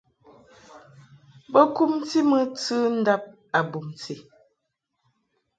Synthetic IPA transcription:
bə˦ku˦mti˦mə˦t͡sɨ˦n̩˦da˦p̚ | a˨bu˨mti˨

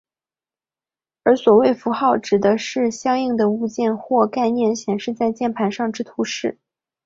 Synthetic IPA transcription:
ə˞˧˥swɔ˨˩we˥˩ɪfu˧˥xɑ˥˩ʊʈ͡ʂɻ̩˨˩d̪ə˦ʂɻ̩˥˩ɕjɑ˥ŋi˥˩ŋd̪ə˩u˥˧t͡ɕjɛ˥˧nxwɔ˥˧ka˥˧ɪnjɛ˥˩nɕjɛ˨˩nʂɻ̩˥˧t͡sa˥˧ɪt͡ɕjɛ˥˩npʰa˧˥nʂɑ˥˧ŋʈ͡ʂɻ̩˥t̪ʰu˧˥ʂɻ̩˥˩

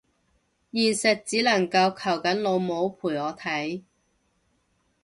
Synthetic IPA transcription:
jiː˨˩nsɐ˨t̚t͡siː˨˥lɐ˨˩ŋkɐ˧wkʰɐ˨˩wkɐ˨˥nlo˨˧wmo˨˧˥wpʰuː˨˩jɔː˨˧t̪ʰɐ˨˥j

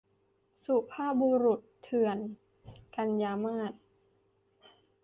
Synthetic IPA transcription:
su˨˩pʰaː˥˩buː˧ɾu˨˩t̪ʰːɯ˨˩ən | ka˧njaː˧maː˥˩t̪̚

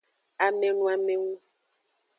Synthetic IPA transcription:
a˨me˨nũ˦a˨me˨ŋu˦

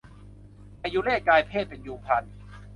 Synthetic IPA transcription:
a˧juː˦˥lɛː˥˩kaː˧jpʰeː˥˩t̪̚pe˧njuː˧pʰa˧n

